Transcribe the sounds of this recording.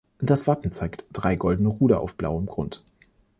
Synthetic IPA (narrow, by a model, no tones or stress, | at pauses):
d̥asv̥apm̩t͡saɪktd̥ʁaɪɡɔldn̩əʁuːɾɐʔa̰ʊfb̥la̰ʊəmɡʁʊ̰nt